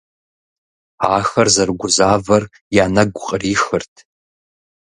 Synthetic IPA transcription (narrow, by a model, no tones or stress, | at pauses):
a̰ːxɐrzɐrɡʷʊzaːvɐr | jaːnɐɡʷʊqʼəriːxɨrtʰ